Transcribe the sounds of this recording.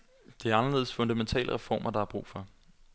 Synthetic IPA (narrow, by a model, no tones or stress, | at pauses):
d̥e̝æɐɑ̈nɐle̝ːðˠsfɔ̽nd̥æment͡sʰɛ̰ːləʁɛfɒ̰ːmʔɐd̥ɑ̈hɑ̈b̥ʁṵːfɒ̽